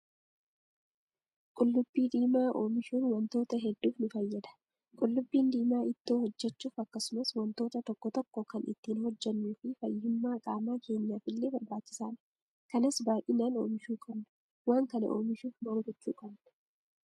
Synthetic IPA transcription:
kʼʊlːʊbːiːd̪iːmaːʔo̞ːmɪʃuːnwɐnt̪o̞ːt̪ɐɦɛd̪ːuːfnʊfɐjːɐd̪ɐ̥ | kʼʊlːʊbːiːnd̪iːmaːʔɪt̪ːoːhɔd͡ʒːɛt͡ʃːuːfɐkːɐsʊmɐswɐnt̪o̞ːt̪ɐt̪ɔkːɔt̪ɔkːɔkɐnʔɪ̰t̪ːiːnɦɔd͡ʒːɛnːuːfɪfɐjɪmːaːkʼaːmaːkʰe̞ːɲːaːfɪlːeːbɐɾbaːt͡ʃːɪ̥saːn | kɐnɐsbaːjʔɪnaːno̞ːmɪʃuːkʼɐbnʊ̥ | waːŋkɐnɐ̰ʔo̞̰ːmɪʃuːfnaːŋɡɔt͡ʃːṵːkʼɐbnʊ̥

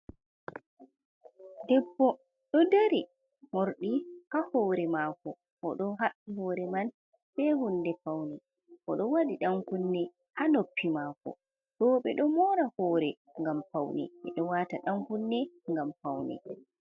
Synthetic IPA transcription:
dɛbːɔ | ɗɔdeɾi | moɾɗihahɔɾɛmakɔ | ʔɔɗɔnɦaɗihɔːɾɛman | fɛhundɛfawnɛ | ʔɔɗɔwaɗiɗaŋkunːɛ | hanopʰːimaːkɔ̰ | ɗɔɓɛɗɔmɔːɾahɔːɾɛ | ŋɡamfawnɛ̰ɛ̰ɗɔwataɗaŋkunːɛŋɡamfawnɛ̰

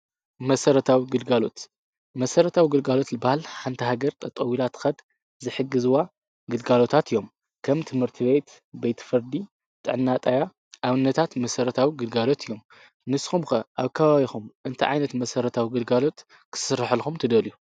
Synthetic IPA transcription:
mɐsɐɾɐt̪ʰawiɡɨlɡalo̞̰t̪ | mɐsɐɾɐt̪ʰawiɡɨlɡalo̞t̪lɨbahalħant̪ʰɐɦaɡɐɾt̪ʰʼɐt̪ʼɐwilat̪ʰxɐd̪ | zɨħɨɡɨzuwa | ɡɨlɡalo̞t̪ʰat̪ʰɨjːo̞m | kʰɐmt̪ʰɨmhɨɾt̪ʰɨβet̪ | bejt̪ʰfɨɾd̪i | t̪ʼɨ̰ʕɨnːat̪ʼaja | ʔaβɨnːɐt̪ʰat̪mɐsɐɾɐt̪ʰawiɡɨlɡalo̞t̪ʰijːo̞m | nɨsːxumxɐʔaβkʰɐβaβixumʔɨnt̪ʰiʕajnɐt̪mɐsɐɾɐt̪ʰawiɡɨlɡalo̞t̪ | kʰɨ̥sɨɾɨħɨlxumt̪ʰɨd̪ɐliju

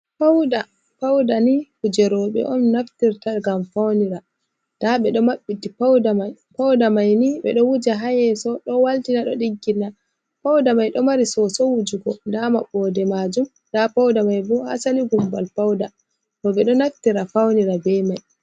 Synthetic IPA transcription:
pawda | pawdanikud͡ʒɛɾɔɓɛ̰ʔɔnːaftiɾtaɡamfawniɾa | d̥aɓɛɗɔmaɓːitipawdamaj | pawdamajniɓɛ̰ɗɔwud͡ʒaɦajɛsɔɗɔwaltinaɗɔɗiɡːina | pawdamajɗɔmaɾisɔsɔwud͡ʒuɡɔndama̰ɓɔːdɛmad͡ʒum | dapawdamajbɔha̰saliɡumbalpawda | tɔɓɛɗɔnaftiɾafawniɾabɛmaj

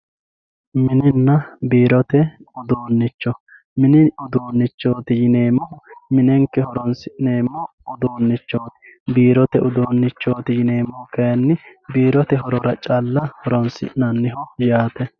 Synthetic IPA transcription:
mɪnɪnːɐbiːɾɔt̪ɛʊd̪oːnːɪt͡ʃːɔ | mɪnɪʊd̪oːnːɪt͡ʃːo̞ːt̪ɪjɪneːmɔhʊmɪnɛŋkːɛhɔɾɔnsɪneːmːɔ | ʊd̪oːnːɪt͡ʃːoːt̪ɪ̥biːɾɔt̪ɛʔʊd̪oːnːɪt͡ʃːoːt̪ɪjɪne̞ːmːɔhkɐjɐnːɪbiːɾɔt̪ɛɦɔɾɔɾɐt͡ʃʼɐlːɐhɔɾɔnsɪ̰nɐnːɪɦɔjaːt̪ɛ

